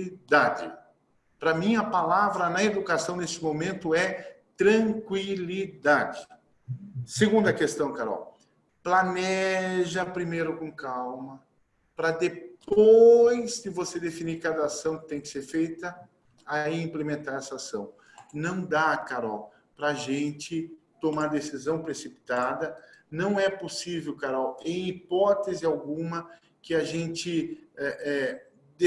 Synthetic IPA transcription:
id̪ad͡ʒɪ̰ | pɾɐmĩɐpalavɾɐnɐed̪ukasɐ̃w̃nest͡ʃɪmomẽnt̪ʊɛt̪ɾɐ̃ŋkwilid̪ad͡ʒɪ | seɡũnd̪ɐkest̪ɐ̃w̃kaɾɔ̰w | planɛʒɐpɾimejɾʊkõkawmɐ | pɾɐd̪eppojzd̪ɪvosed̪efiniɾkad̪ɐasɐ̃w̃kɪ̥t̪ẽj̃kɪ̥seɾfejt̪ɐ | aiĩmplemẽnt̪aɾɛsɐasɐ̰̃w̃ | nɐ̃w̃d̪akaɾɔw | pɾɐːʒẽnt͡ʃɪt̪omaɾd̪esizɐ̃w̃pɾesipi̥t̪ad̪ɐnɐ̃w̃ɛposivewkaɾɔwẽj̃ipɔt̪ezɪawɡũmɐ | kɪaʒẽnt͡ʃɪɛʔɛ | d̪

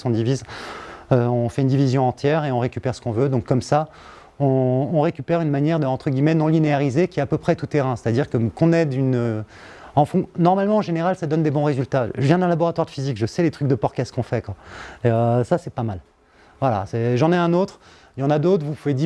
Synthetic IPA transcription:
sɔ̃d̪iviz | øɔ̃fɛynd̪ivizjɔ̃ɑ̃t̪jɛʁeɔ̃ʁekʲypɛʁsə̥kɔ̃vød̪ɔ̃kːɔmsa | ɔ̃ːʁekʲypɛʁynmanjɛʁd̪əɑ̃t̪χəɡʲimɛnɔ̃lineaʁizekʲiɛapøpχɛt̪ut̪eʁɛ̃se̥t̪ad̪iʁkəkɔ̃nɛd̪ynø | ɑ̃fɔ̃nɔʁmalmɑ̃ɑ̃ʒeneʁalsad̪ɔnd̪ebɔ̃ʁezylt̪aʒəvjɛ̃d̪ɛ̃labɔʁat̪waʁd̪əfizikʒəsɛlet̪χyk̚d̪əpɔʁkaskɔ̃fɛkwaeøsasɛpamal | vwala̰sɛʒɑ̃nɛɛ̃not̪χ | ljɑ̃nad̪ot̪χvupuved̪i

